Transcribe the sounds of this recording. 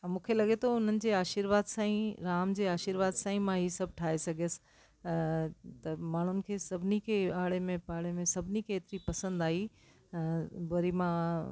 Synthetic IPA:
mũːkʰelɐɠet̪ʰoʊn̤ənɪ̆d͡ʑeːaːʃiɾʋaːd̪sãːĩɾaːmd͡ʑeːaːʃiɾʋaːd̪sãːĩmãɦisɐb̚ʱʈʰaːesɐɡʱjəsɪ̥ | t̪ɐmaːɳ̤ʊnɪ̆kʰeːsɐbʱɪnikʰeaːɽemẽpaːɽemẽsɐbʱɪnikeːt̪ɪɾipɐsə̃nd̪aːɦi | ʋɐɾimã

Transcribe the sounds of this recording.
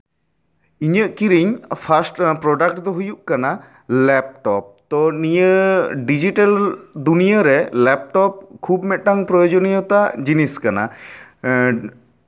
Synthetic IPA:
iɲəʔkiɾiɲpʰasʈpɾɔɖak̚ʈd̪ɔɦujuʔkana | lɛp̚ʈɔp̚t̪ɔnijəɖid͡ʒiʈald̪unijaɾɛlɛp̚ʈɔp̚kʰubmɛʈaŋpɾɔjod͡ʒɔnijɔt̪ad͡ʒiniskana̰

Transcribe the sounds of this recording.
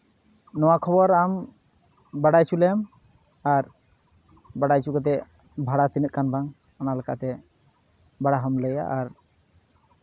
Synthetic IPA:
nɔwakʰɔbɔɾam | baɽajt͡ʃʰulɛm | aɾ | baɽajt͡ʃukɔt̪̬ɛ | bʱaɽat̪inət̪̚kanbʱaŋ | analəka̰t̪ɛ | baɽaɦɔmləja̰ʔːɾ

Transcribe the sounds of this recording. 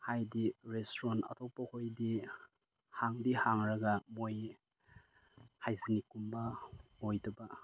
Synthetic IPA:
hajdiɾestɾɔnɐ̰tʰopahojdi | haŋdihaŋɾɐɡamoj | hajzinikumbaojdɐba

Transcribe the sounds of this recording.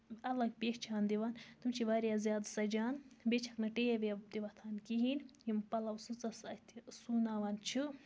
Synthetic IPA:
ɐlɐɡpeʃt͡ʃʰaːnd̪iʋaːnt̪ɨmt͡ʃʰiʋaːɾjazʲjaːd̪sɐd͡ʒaːnbet͡ʃʰɐknɐʈejebebd̪iʋɐt̪ʰaːnkiɦiːnjimpɐlɐwsɨt͡sɐsɐt̪ʰisunaːʋaːnt͡ʃʰi

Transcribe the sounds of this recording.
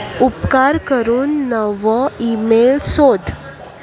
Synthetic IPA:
upkaɾkəɾuːnːəʋɔ̃imelsod̪ʱ

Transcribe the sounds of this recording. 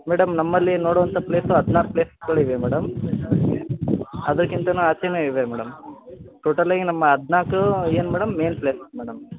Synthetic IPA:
mɛːɽɐmnɐmːɐlːinoːɽoʋɐnt̪ʰɐpleːsuɐd̪ʱnaːkpleːskɐɭiʋemɛːɽɐm | ɐd̪ɐɾkint̪ɐnuːaːt͡ʃeneiʋemɛːɽɐmʈoːʈɐlːaːɡinɐmːɐɐd̪ʱnaːkueːnumɛːɽɐmːeːnpleːsmɛːɽɐm

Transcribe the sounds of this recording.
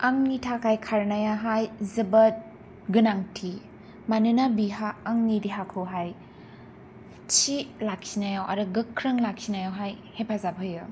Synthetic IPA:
aŋnitʰakʰajkʰaɾnajaɦajzɐbɐt̚ | ɡɯnaŋtʰi | manɯnabiɦaːŋnidiɦakʰɯwɦaj | t͡ʃilaksinajawʔa̰ɾɯɡɯkʰːɾɯŋlak̚sinajawɦajhepʰazabʰɯjɯ

